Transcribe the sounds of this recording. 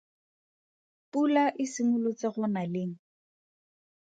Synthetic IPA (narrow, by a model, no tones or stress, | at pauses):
pulaʔɪsɪmʊlʊt͡sɪɣʊnalɪŋ̩